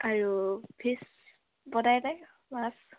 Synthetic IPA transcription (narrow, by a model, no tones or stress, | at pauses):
aɹupʰis | bɔdajdaj | mas